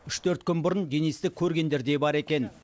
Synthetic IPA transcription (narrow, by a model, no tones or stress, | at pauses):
ʏʃt̪ʰɵɾt̪kʲʏnbʊɾənd̪enest̪ɪkʲʰːɵɾɡʲe̞nd̪e̞ɾd̪e̞bɑɾe̞kʲe̞n